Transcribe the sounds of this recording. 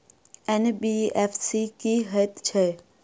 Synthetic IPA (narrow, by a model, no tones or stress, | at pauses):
enbiefsikiɦət̪t͡ʃʰe